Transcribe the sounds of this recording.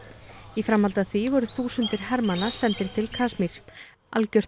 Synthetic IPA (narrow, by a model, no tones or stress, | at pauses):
ifɾamhalt̪aθvivɔɾʏθuːsʏnt̪ɪɾ̥ɦɛɾmanḁsɛnt̪ɪɾ̥t̪ʰɪlkʰaːsmiɾ̥ | ʔa̰lcœr̥